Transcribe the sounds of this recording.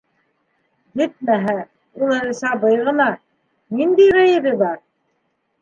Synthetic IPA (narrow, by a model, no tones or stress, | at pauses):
jɘt̪̚mæɦæ | ulˠɤ̆ɾɤ̆sɑbɤjʁɤ̆nɑ | nind̪ijɾæjɘ̆βɘbɑɾ